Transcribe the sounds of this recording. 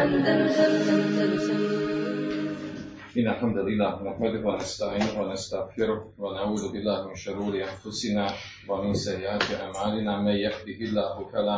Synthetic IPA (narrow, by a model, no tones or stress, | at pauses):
ʔɪnːalħamd̪alʔɪlːaːhnaħmad̪ʊhwanast̪aʕiːnʊhwanast̪aɣfɪɾʊhwanaʕuːd̪ʊʔɪlːaːhmɪnʃʊɾuːɾɪʔanfʊsɪnaː | wamɪnsajːʔaːt̪ɪʕaʕmaːlɪnaːmajaħd̪ɪhɪlːaːhʊkalaː